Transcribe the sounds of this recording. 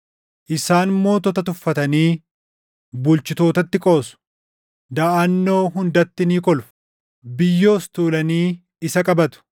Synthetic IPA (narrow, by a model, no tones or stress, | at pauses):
ʔɪsaːnmo̞ːt̪ɔt̪ɐt̪ʊfːɐt̪ɐniː | bʊlt͡ʃɪt̪o̞ːt̪ɐt̪ːɪkʼo̞ːsʊ̥ | d̪ɐʔɐnːo̞ːɦʊnd̪ɐt̪ːɪniːkɔlf | bɪjːo̞ːst̪uːlɐniː | ɪsɐkʼɐbɐt̪ʊ̥